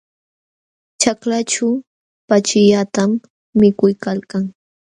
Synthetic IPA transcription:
t͡ʃaklat͡ʃa | pat͡ʃɪʎat̪amː | ɪkʊjkalkaŋ

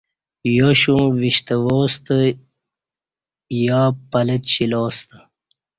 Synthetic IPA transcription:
joɕõːwiɕt̪əwoːst̪ə | jaːpələtɕiloːst̪ə

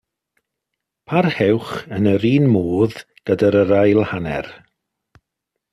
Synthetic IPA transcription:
pʰarhɛwχənəɾiːnmoːð̥ | ɡ̥ədaɾəɾajlˠhanɛ̰r

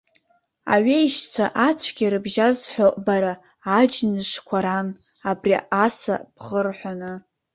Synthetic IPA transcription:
a̰ɥeiʃt͡sʷʰa̰ʔat͡sʷʰɡʲiɾɨbʒazħʷoʔʼbaɾaː | d͡ʒnɨʂkʷʰaɾan | abriasa̰b̥ʁərħʷanɨ

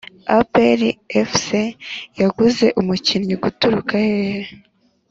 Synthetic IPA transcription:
apeɾiefsejaɡuze̞ʔumucinɲiɡutuɾukahehe

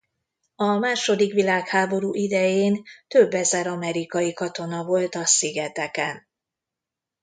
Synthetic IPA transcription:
ɒmaːʃo̞d̪ikʋilaːkhaːbo̞ɾuːʔid̪ɛjeːnt̪ø̞bːɛzɛɾɒmɛɾikɒjikɒt̪o̞nɒvo̞lt̪ɒsiɡɛt̪ɛkɛn

